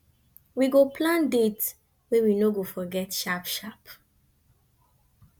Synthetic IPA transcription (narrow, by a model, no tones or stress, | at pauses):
wiɡopʰlãndet | wɛwinoɡofɔɡɛtʃapʃap